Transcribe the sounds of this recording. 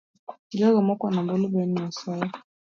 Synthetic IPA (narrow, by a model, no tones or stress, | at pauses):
tilaɣəmɔkwanabolobɛnijaswala